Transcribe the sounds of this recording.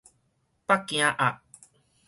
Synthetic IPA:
pa˦ki˨ã˦ʔa˨

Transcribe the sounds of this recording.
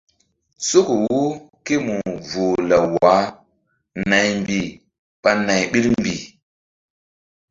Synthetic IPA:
so˦ku˨wu˦ke˦mu˨vo˨la˨wa˨˦ | na˨jmbi˨ | ɓa˦na˨jɓi˦lmbi˨

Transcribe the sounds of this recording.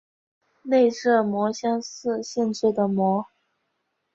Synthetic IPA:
ne˥˧ɪʂɤ˥˩mwɔ˧˥ɕjɑ˥ŋsɹ̩˥˧ɕjɛ˥˧nʈ͡ʂ̩ʰ˥˩d̪ə˩mwɔ˧˥

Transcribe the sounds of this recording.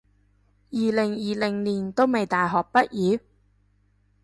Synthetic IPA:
jiː˨˩lɪ˨˩ŋjiː˨lɪ˨˩ŋniː˨nt̪o˥wme˨jt̪aː˨jɦɔː˨˩k̚pɐ˥t̚jiː˨˧˥

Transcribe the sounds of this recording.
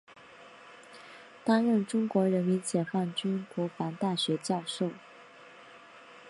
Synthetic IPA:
t̪a˥nɻə˥˩nʈ͡ʂʊ˥ŋkwɔ˧˥ɻə˧˥nmi˧˥nt͡ɕjɛ˨˩fɑ˥˩ŋt͡ɕy˥nkwɔ˧˥fɑ˧˥ŋt̪a˥˩ɕɥɛ˧˥t͡ɕjɑ˥˧ʊʂo˥˩ʊ

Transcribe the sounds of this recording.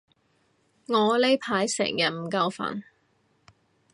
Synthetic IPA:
ŋɔː˨˧le˥jpʰaː˨˥jsɛ̰ː˨˩ŋjɐ˨˩n̚m̩˨˩kɐ˧wfa̰ː˨˩n

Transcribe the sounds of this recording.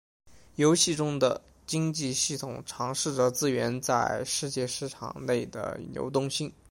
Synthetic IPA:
jo˧˥ʊɕi˥˩ʈ͡ʂʊ˥ŋd̪ə˨ | t͡ɕi˥ŋt͡ɕi˥˧ɕi˥˩t̪ʰʊ˨˩ŋʈ͡ʂʰɑ˧˥ŋʂɻ̩˥˩ʈ͡ʂɤ˨˩t͡sɹ̩˥˧ɥɛ˧˥nt͡sa˥˧ɪʂɻ̩˥˧t͡ɕjɛ˥˧ʂɻ̩˥˩ʈ͡ʂʰɑ̰˨˩ŋne˥˩ɪd̪ə̰˩njo̰˧˥ʊt̪ʊ˥˧ŋɕi˥n

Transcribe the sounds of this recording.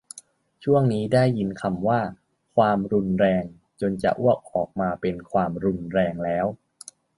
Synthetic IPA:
t͡ɕʰu˥˩əŋniː˦˥da˥˩jːi˧˥nkʰa˧mwaː˥˩ | kʰwaː˧mɾu˧nɾɛː˧ŋ | t͡ɕo˧nt͡ɕa̰˨˩ʔu˥˩ək̚ʔɔː˨˩k̚maː˧pe˧nkʰwaː˧mɾu˧nɾɛː˧ŋlɛː˦˥w

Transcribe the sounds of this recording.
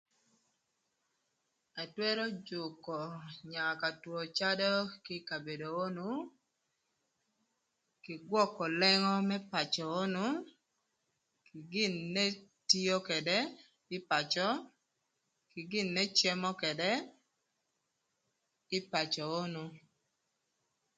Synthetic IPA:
a˨twɛ˦ɾɔ˦d͡ʒʊ˨kɔ˨ɲa˨ka˨twɔ˨t͡ʃa˦dɔ˦ki˦ka˨be˨do˨o˦nu˦ | kɪ˨ɡwɔ˦kɔ˨lɛ˦ŋɔ˦mɛ˦pa˨t͡ʃɔ˨o˦nu˦ | kɪ˨ɡɪ˦˨nːe˦ti˦o˦kɛ˨dɛ˦ | ɪ˦pa˨t͡ʃɔ˦ | kɪ˨ɡɪ˦˨nːɛ˦t͡ʃɛ˦mɔ˦kɛ˨dɛ˦ | ɪ˦pa˨t͡ʃɔ˨o˦nu˦

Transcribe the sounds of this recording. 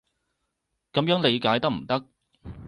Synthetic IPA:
kɐ˨˧mjœː˨˥ŋle˨˧jkaː˨˥jt̪ɐ˥k̚m̩˨˩t̪ɐ˥k̚

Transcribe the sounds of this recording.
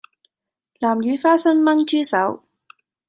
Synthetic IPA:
laː˨˩mjyː˨˧faː˥sɐ˥nmɐ˥nt͡ʃyː˥sɐ˨˥w

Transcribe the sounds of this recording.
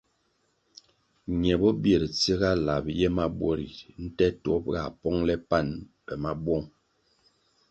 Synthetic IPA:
ɲɛ˨bɔ˦bje˨ɾt͡si˦ɣa˦la˨bjɛ˦ma˦bwɔ˦ɾḭ˨n̩˦tɛ˦tɔ˨˦p̚ɣa̰˨pɔ˦ŋlɛ˦pa˦˨nbɛ˨ma˦bwɔ˦ŋ

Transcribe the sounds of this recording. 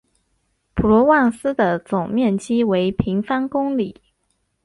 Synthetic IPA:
pʰu˨˩lwɔ˧˥wɑ˥˩ŋsɹ̩˥d̪ə˨t͡sʊ˨˩ŋmjɛ˥˩nt͡ɕi˥we˧˥ɪpʰi˧˥ŋfɑ˥nkʊ˥ŋli˨˩˦

